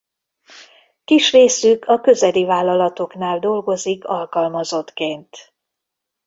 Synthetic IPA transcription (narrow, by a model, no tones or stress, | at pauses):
kiʃreːsykʰɒkø̞zɛlivaːlːɒlɒt̪o̞knaːld̪o̞lɡo̞zikɒlkɒlmɒzo̞t̪keːnt̪